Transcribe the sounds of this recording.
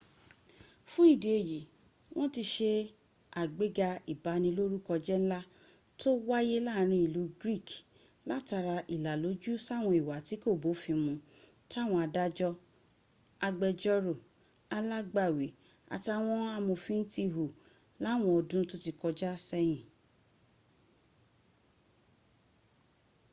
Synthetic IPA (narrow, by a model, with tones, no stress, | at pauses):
fũ˦i˦˨de˨e˨ji˨˦ | w̃ɔ̃˦ti˧ʃe˧ | a˨ɡ͡be˦ɡa˧i˨ba˨˦nĩ˧lo˦ɾu˦kɔ˧d͡ʒɛ˦ñ̩˦la˦ | to˦wa˦je˦laː˦˨˦ɾ̃ĩ˧i˨lu˨˦ɡɾi˦˨k | la˦ta˧ɾa˧ʔi˨la˨lo˨˦d͡ʒu˦sa˦˨w̃ɔ̃˧i˨wa˨ti˨˦ko˦˨bo˨˦fĩ˧mũ˧ | ta˦˨w̃ɔ̃˧a˧da˦d͡ʒɔ˦ | a˧ɡ͡bɛ˧d͡ʒɔ˦ɾo˨ | a˧la˦ɡ͡ba˦˨we˨˦ | a̰˨ta˧˦w̃ɔ̃˦a˧mũ˧fĩ˦n̩˦ti˦˧ɦu˨ | la˨˦˨w̃ɔ̃˧ɔ˧dũ˦to˦ti˧˨kɔ˧d͡ʒɛ˦a˧sɛ˧j̃ĩ˨